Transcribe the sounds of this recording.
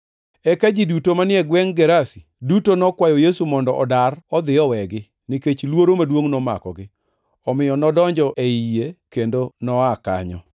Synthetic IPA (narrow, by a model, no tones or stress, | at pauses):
ɛkad͡ʒidutomanɪɛɡwɛŋɡɛɾasi̥ | dutonɔkwajɔjesumɔndɔʔɔdarɔd̪ɪɔwɛɡɪ | nɪket͡ʃlwoɾomadwoŋnɔma̰kɔ̰ɡɪ | ɔmɪjɔnɔdɔɲd͡ʒɔʔeijekendonɔaka̰ɲɔ̰